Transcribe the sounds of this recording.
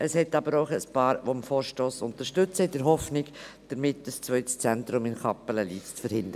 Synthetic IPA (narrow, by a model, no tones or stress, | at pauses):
ʔəshɛtɑbəɾoʊχəspɑːɾʋomfoːɾʃtoːsʊnt̪əɾʃtɵt͡səɪdɛɾɦɔfnɪɡd̪̥əɾmɪtːəst͡svœʏtə̥st͡sɛnt̪ɾʊmɪnkɑpələliːtt͡sfəɾhɪnd̪əɾə